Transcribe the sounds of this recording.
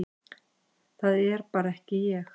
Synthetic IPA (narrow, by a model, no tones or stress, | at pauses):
θaðɛɾ̥paːɾaɛhcɪjɛx